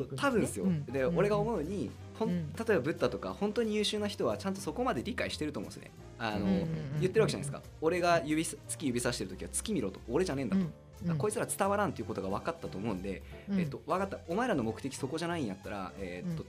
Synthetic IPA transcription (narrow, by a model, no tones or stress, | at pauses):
ot̪abɯ̟̃ɰ̃sɨjo̞d̪eo̞ɾe̞ɡao̞mo̞ɯ̟ɲ̟i | hõ̞nt̪at̪o̞e̞babɯ̟t̪ːat̪o̞ka̰hõ̞nt̪o̞ɲ̟ijɯːɕɨːnaçi̥t̪o̞βat͡ɕãnt̪̬o̞so̞ko̞mad̪e̞ɾʲikaiɕi̥t̪e̞ɾɯomõ̞sɨ̰nḛ | ano̞jɯ̟t̪ːeɾɯβakeʑanaisɨ̥ka̰ | o̞ɾe̞ɡajɯbʲist͡sɨ̥kʲijɯ̟bʲisaɕi̥t̪eɯ̟t̪o̞kʲiβat͡sɨ̥kʲimʲiɾo̞ːt̪o̞ːɾe̞ʑanẽ̞nd̪at̪o | d̪ako̞it͡sɨɾat͡sɨ̥t̪aβaɾãnt̪e̞iɯ̟ko̞t̪oɡaβ̞akat̪ːat̪o̞ːmo̞ɯ̟̃nd̪e̞et̪ːo̞βakat̪ːaomae̞ɾano̞mo̞kɯ̟̥t̪e̞kʲi̥so̞ko̞ʑanaĩɲ̃jat̪ːaɾa̰et̪ːo̞